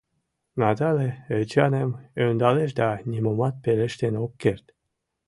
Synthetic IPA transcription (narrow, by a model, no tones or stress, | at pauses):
nat̪aleet͡ʃɑnemønd̪ɑleʃd̪anʲimomɑt̪̚peɾeʃt̪enokːeɾt̪